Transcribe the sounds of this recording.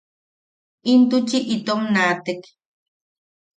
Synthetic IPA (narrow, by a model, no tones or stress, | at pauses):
int̪ut͡ʃiʔit̪omnat̪ek